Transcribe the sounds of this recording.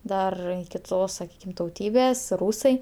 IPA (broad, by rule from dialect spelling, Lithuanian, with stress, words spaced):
ˈdɐr kʲɪˈtoːs sɐˈkʲiːkʲɪm tɐʊˈtʲiːbʲeːs ˈruːsɐɪ